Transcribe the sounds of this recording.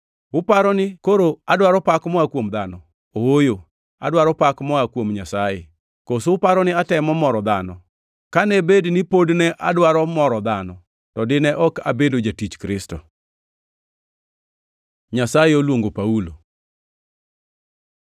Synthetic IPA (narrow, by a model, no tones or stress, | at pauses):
wʊpaɾɔnɪkoɾoadwaɾɔpakmɔakwomd̪anɔ | oojo | a̰dwaɾɔpakmɔakwomɲasajḛ | kosoʊpaɾɔnɪatɛmɔmɔɾɔd̪anɔ | kanɛbednɪpodnɛʔa̰dwaɾɔmɔɾɔd̪anɔ | tɔdɪnɛʔɔka̰bedod͡ʒatit͡ʃkɾɪstɔ̰ | ɲasajeolwoŋɡopaulo